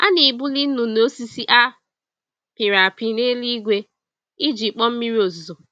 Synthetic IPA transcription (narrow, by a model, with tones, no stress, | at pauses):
a̰˦ni˨bu˦li˦n̩˦nu˨no˦si˦si˦ʔa˦ | pɪ˨ɾa˨pi˦ne˦li˦ɡʷe˦ | i˦d͡ʒi˨k͡pɔ˦m̩˦mi˦ɾi˦o˨zzo˨